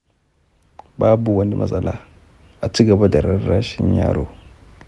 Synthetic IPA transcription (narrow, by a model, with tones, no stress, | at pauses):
ba˦bu˨wa˦ndi˦mʔa̰˨za˨la˦ | a˨t͡si˦ɡa˨ba˦da˨ɾa˦ɾa˦ʃi˦n˦a̰˦ɾo˨